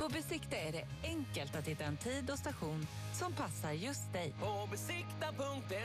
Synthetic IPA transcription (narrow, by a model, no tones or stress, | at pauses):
pʰɔbɛsɪkt̪aæɖɛɛŋkəlt̪at̪hɪt̪ːaɛnt̪ʰiːd̪ɔst̪aɧuːn | sɔmpʰasːaɾjɵst̪̚d̪ɛjpʰɔbɛsɪkt̪apʰɵŋk̚t̪ə